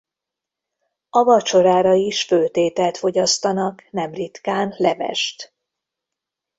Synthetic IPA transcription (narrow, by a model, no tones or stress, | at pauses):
ɒvɒt͡ʃo̞ɾaːɾɒiʃfølt̪eːt̪ɛlt̪foɟɒst̪ɒnɒknɛmrit̪kaːnlɛvɛ̰ʃt̪